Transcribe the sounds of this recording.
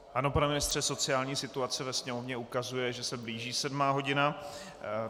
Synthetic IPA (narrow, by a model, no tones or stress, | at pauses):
ʔano̞panɛmɪnɪst̪r̝̥ɛso̞t͡sɪaːlɲiːsɪt̪uat͡sɛvɛsɲɛmo̞vɲɛukazujɛʒɛsɛbliːʒiːsɛdmaːɦo̞ɟɪna